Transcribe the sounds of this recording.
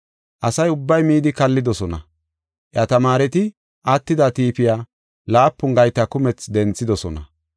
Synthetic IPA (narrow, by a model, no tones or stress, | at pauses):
ʔɐsɐjʊbːɐjmiːd̪ɪkɐlːɪd̪ɔsɔnɐ | ʔjɐt̪ɐmaːɾɛt̪ɪ | ʔɐt̪ːɪd̪at̪iːpɪjaː | laːpːʊŋɡɐjt̪ːɐkʊmɛt͡sd̪ɛnt͡sːɪd̪ɔsɔnɐ